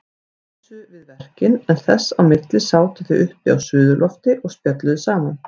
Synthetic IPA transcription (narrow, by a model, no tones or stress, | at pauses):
sʏvɪðvɛr̥cɪnɛnθɛsːawmɪt̪lɪsaːwt̪aθḭʔʏhpja̰wsʏːðʏlʔɔft̪ɪʔɔɣspjœt̪lʏðɪsaːman